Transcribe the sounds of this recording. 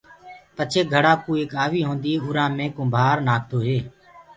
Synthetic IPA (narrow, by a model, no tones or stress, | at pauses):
pət͡ʃʰeːɡʱəɽãːkuːeːkaːʋiːɦõːnd̪iːʊːɾãːmẽːkõːmbʱaːɾnaːk̚ʰt̪oːɦeː